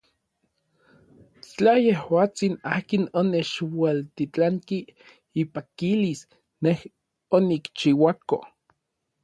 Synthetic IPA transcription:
t͡ɬajehwaːt͡sina̰ːkinonet͡ʃwalt̪it͡ɬaŋkiː | pakilis | neh | onikt͡ʃiwako̰

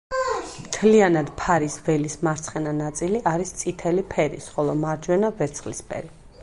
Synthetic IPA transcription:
mt̪ʰlianad̪pʰaɾisvɛlismaɾt̪sʰχɛnanat̪sʼiliʔaɾist̪sʼit̪ʰɛlipʰɛɾḭsχɔlˠɔmaɾd͡ʒwɛnavɛɾt̪sʰχlispʰɛ̰ɾi

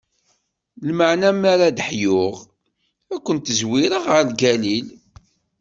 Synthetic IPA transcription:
lməʕnæmːaɾad̪əħjʊʁ | ækʷːənt̪əzwiɾəʁəɾlɡælil

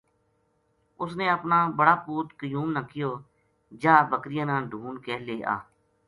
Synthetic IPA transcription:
ʊsneːəpnaːbəɽaːpuːt̪kəjuːmnaːkɪjoː | d͡ʒaːbəkɾɪjãːnãːɖʱuːnkeːleːʔa̰ː

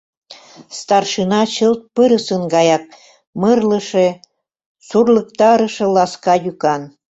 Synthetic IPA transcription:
st̪ɑrʃinɑt͡ɕəlt̪̚pəɾəsənɡɑjɑk̚ | mərlə̆ʃe | surlək̚t̪ɑɾə̆ʃɤ̆lɑskɑjykɑn

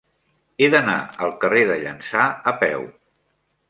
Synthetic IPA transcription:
eðəna̰əlˠkəreðəʎə̰nsaəpɛ̰w

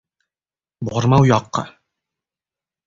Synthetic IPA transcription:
boɾmɑwjɑqːɑ̰

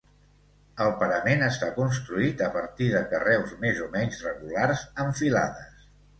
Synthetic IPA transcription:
əlˠpəɾəmenəst̪akuns̬t̪ɾuit̪əpəɾt̪iðəkərɛwzmezomɛɲzrəɣularzəɱfila̰ðəs

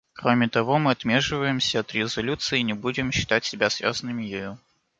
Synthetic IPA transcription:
kɾo̞mʲɪt̪ɐvo̞mɨɐt̪mʲe̞ʂɨvəjɪmsʲəːt̪ɾʲɪzɐlʲut̪sɨɪnʲɪbudʲɪmɕːɪ̥t̪atʲsʲɪbʲasvʲa̰zənɨmʲɪjɪju

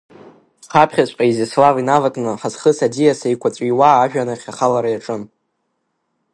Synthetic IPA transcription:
χapʰχʲasʷpʼajzɪslavinavatʼnɨħazχəsadijasejkʷʰat͡sʷʼiwaːʒᶣanaχʲaχalaɾajaʈ͡ʂʼɨm

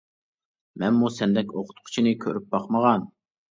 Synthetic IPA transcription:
mɛnmusɛnd̪ɛkʲoqʰʊ̥t̪qʰʊ̥t͡ʃʰinɪkʲʰøɾyp̚bɑqməʁɑn

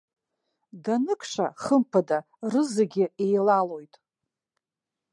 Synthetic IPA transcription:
danɨkʰʼʂaχəmpʰada | rɨzɨɡʲɪejlalo̞jtʼ

